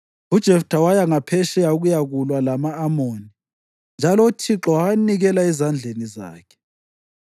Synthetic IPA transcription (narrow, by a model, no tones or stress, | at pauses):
ud̥ʒ̥ʱɛftʰʼawajaŋapʰɛʃɛjauɣujaɣulwalamaːmoːni | nd͡ʒʱalɔutʰiǁɔwaniɣɛlaɛzand͡ɮʱeniza̰ːkʰɛ̥